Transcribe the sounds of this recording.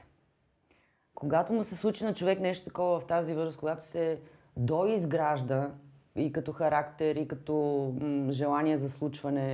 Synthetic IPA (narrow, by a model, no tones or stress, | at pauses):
koɡat̪omusɛslˠut͡ʃinɐt͡ʃovɛknɛʃt̪o̥t̪ɐ̥kɔvɐvɐft̪azivɤzɾəskoɡat̪ʊ̥sɛ | d̪ɔizɡɾaʒd̪ə | ikɐt̪ɔxɐɾakt̪ɛɾikɐt̪ɔ | ʒɛlˠaniɛzɐslˠut͡ʃvɐnɛ